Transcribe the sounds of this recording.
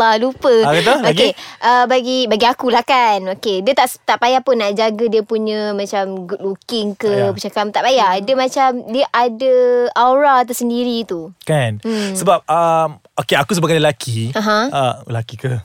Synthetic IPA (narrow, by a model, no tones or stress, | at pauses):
lalupəkat̪aokeʔəbaɡibaɡiakulakanokediət̪aʔst̪aʔpajahpʊnːaʔd͡ʒaɡədiəpuɲə̃mãt͡ʃamɡut̚lukɪŋkəput͡ʃakamt̪aʔpajaʔdəmãt͡ʃamdiəʔadəaɾat̪̬usəndiɾit̪ukansəbap̚əm | okeakus̬əbaɡaləlakʰiãɦãa̰lakikə